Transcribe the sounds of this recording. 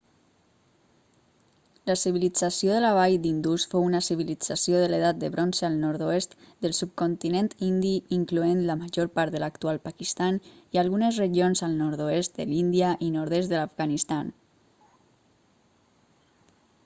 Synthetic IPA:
ləsiβ̞ilid͡zasioðəlaβ̞ajd̪ind̪usfounəsiβ̞ilid͡z̥asioðəleðat̪̚d̪əβɾonsealˠnɔɾt̪oest̪ | d̪əlˠsup̚kont̪inẽnt̪ind̪iiŋkluenləməʒoɾpaɾt̪ðəlakt̪ualˠpakist̪anialˠɣunəzreʒionzəlˠnɔɾtðoest̪̚d̪ə̰lind̪iəʔinoɾðest̪ðəlafɣanist̪an

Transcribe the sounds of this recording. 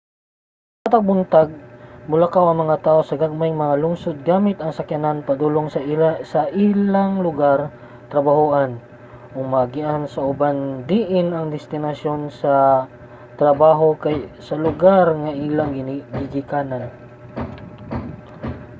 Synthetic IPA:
at̪ɐɡ̚bʊnt̪aɡ̚mʊlakawɐŋmɐŋat̪aːʔosɐɡaɡ̚majŋmɐŋalʊŋsod̪̚ɡaːmɪt̪ɐŋsɐkjɐnanpɐd̪uːloŋssɐʔilaŋlʊɡaɾ | t̪ɾɐbahuʔan | ʔʊŋmaɡɪʔansɐʔʊband̪iʔɪnɐŋd̪ɪst̪ɪnɐsjo̞nsɐ | t̪ɾɐbaːɦo̞kajsɐlʊɡaɾŋaʔilaŋɡɪɡɪɡɪkaːnan

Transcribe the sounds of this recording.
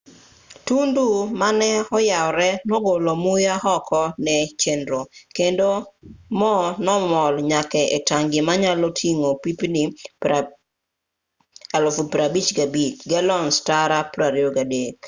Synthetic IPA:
tundumanɛɔjaɔɾɛnɔɡolomujahɔkɔnɛt͡ʃendɾokendomɔnɔmɔlɲakɛʔetaŋɡɪmaɲalotʰiŋopipni | alofupɾabit͡ʃɡabit͡ʃɡɛlɔnstaɾapɾaɾjoɡadek

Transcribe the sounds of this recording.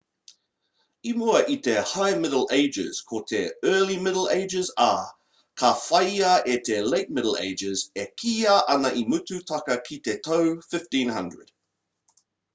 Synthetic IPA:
imuəʔitʰɛhaɪmɪdl̩ˠeɪd͡ʒɪ̰z̥kʰɔtʰɛɜːlimɪdl̩ˠḛɪd͡ʒɪza̰ː | kʰafaaʔɛtʰɛleɪk̚mɪɾl̩ˠḛɪd͡ʒɪzɛkʰijaʔanaʔimʉtutʰakɐkʰitɛtʰoʊfɪftĩnɦɐ̰̃ndɹə̰d̥

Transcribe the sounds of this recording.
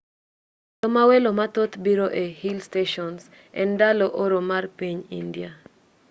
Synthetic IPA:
t̪omawelomat̪ot̪biɾoʔehilsteʃɔns | ɛ̰ndaloʔoɾomarpiɲḭndja

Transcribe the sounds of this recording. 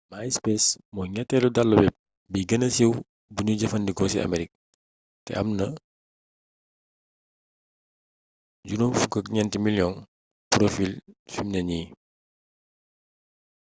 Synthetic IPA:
majspɛsmɔjŋɛtːɛludalːɔbɛp̚ | biɡɐnɐsiw | buɲuɟɐfɐndiɡɔsiɐ̰mɛɾik̚ | tɛ̰ʔɐmnɐ | ɟunumfukːɐkɲɛntimiljɔn | pɾofilfimnɐɲi

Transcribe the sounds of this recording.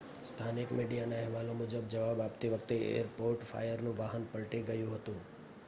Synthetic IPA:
st̪ʰanɪkmiɖijanaɦɛʋalomʊd͡ʒəb̚d͡ʒəʋabapt̪iʋəkʰt̪eḛəɾpoɾʈfa̰jəɾnũʋaɦənpəɭʈiɡəjũɦət̪ũ

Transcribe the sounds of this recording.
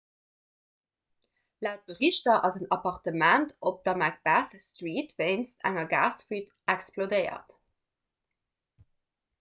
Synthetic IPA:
laʊt̚b̥əʁiʃtɐʔɑzənɑpɑʁtəmæntʰop̚d̥ɐmæk̚b̥æθstʁiːtveɪnstʰæ̰ŋɐɡa̰ːsfit | æksplodəɪɐ̰t

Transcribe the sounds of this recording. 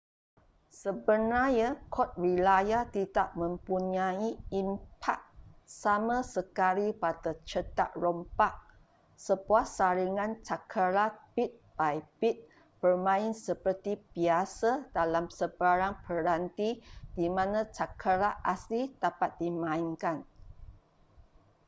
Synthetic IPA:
səbənajakʰɔt̪̚rilajat̪idaʔ̚mə̃mpuɲaiimpʰak̚samãsəkalipat̪ət͡ʃət̪a̰ʔ̚ɾɔmpaʔ̚ | səbuasaɾiŋãnt͡ʃakʰəɾapit̪̚b̥ajbit̪̚ | b̥ərmãɪnsəpərt̪ibiasadalamsəbaɾaŋpəɾant̪id̥imãnãt͡ʃakʰəɾaʔaslid̥apat̪̚dimãɪŋkan

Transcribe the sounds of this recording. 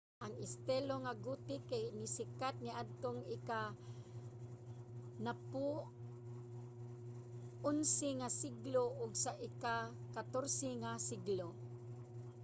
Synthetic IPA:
ʔaŋɪst̪ɛloŋaɡut̪ɪkajnɪsɪkat̪̚nɪʔad̪̚t̪oŋɪka | napu | ʊnsɪŋasiɡloʔʊɡsaʔɪka | kat̪oɾsɛŋasiɡlo

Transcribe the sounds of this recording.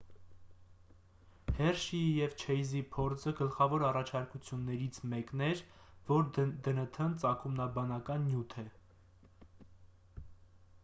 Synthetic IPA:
hɛrʃijɛvt͡ʃʰɛjzipʰɔɾt͡sʰəɡəlχɑvɔɾɑrɑt͡ʃʰɑɾkut͡sʰjunːɛɾit͡sʰmɛknɛɾvɔɾd̪ənət̪ʰənt͡sɑkʰumnɑbɑnɑkɑnːjut̪ʰɛ

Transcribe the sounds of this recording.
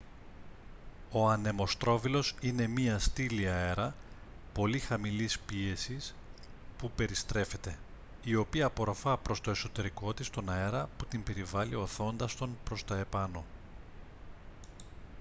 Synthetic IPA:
o̞ɐne̞mo̞st̪ɾo̞vilo̞sine̞miɐst̪iliɐe̞ɾɐ | po̞lixɐmilispie̞sis | pupe̞ɾist̪ɾe̞fe̞t̪e̞ | io̞piɐːpo̞ɾo̞fɐpɾo̞st̪o̞e̞so̞t̪e̞ɾiko̞t̪ist̪o̞nɐe̞ɾɐput̪imbe̞ɾivɐlio̞θo̞nd̪ɐst̪o̞npɾo̞st̪ɐe̞pɐno̞

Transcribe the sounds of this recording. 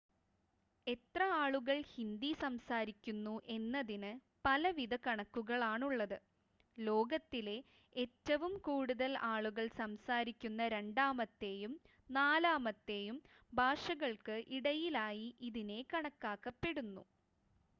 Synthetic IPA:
e̞t̪rɐaːɭuɣɐɭhind̪isɐmsaːɾikʲːunːuʔe̞nːɐðinɨ | pɐlɐʋiðɐkɐɳɐkːuɣɐɭaːɳuɭːɐðɨ | lo̞ːɡɐt̪ːile̞ | etːɐʋumkuːɽuðɐlaːɭuɣɐɭsɐmsaːɾikʲːunːɐɾe̞ɳɖaːmɐt̪ːe̞ːjum | naːlaːmɐt̪ːe̞ːjum | bʱaːʂɐɣɐɭkɨʔiɽɐjilaːjiʔiðine̞kɐɳɐkːaːkːɐpːe̞ɽunːṵ

